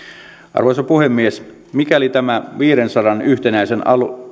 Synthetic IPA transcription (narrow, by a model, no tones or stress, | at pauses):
ʔɑ̰rʋojsɑpuhemːies | mikæolit̪æmæʋiːɾensɑdɑnyht̪enæisenɑ̰lu